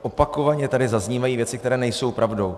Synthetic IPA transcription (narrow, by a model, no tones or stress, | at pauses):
ʔopako̞vaɲɛt̪adɪzazɲiːvajiːvjɛt͡sɪkt̪ɛɾɛːnɛjso̞wpɾʔavdo̞w